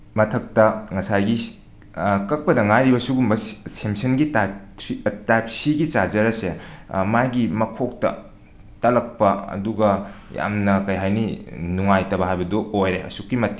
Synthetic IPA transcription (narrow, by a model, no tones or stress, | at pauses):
mɐtʰɐk̚tɐŋɐsajɡi | kɐk̚pɐdɐŋajɾibɐsuɡumbɐsemsɐnɡita | tajp̚siɡit͡ʃad͡ʒɐɾɐsemajɡimɐkʰok̚tɐ̰ | tɐlɐk̚pɐɐ̰duɡɐ | ja̰mnɐkɐjɦajninuŋajtɐbɐɦajbɐdoojɾeɐ̰sukːimɐtːi